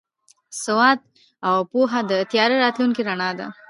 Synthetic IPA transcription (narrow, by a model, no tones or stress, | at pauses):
sʊwɑd̪̚ | awpuɦad̪ət̪jɑɾeɾɑt̪luŋkiɾaɳɑd̪a̰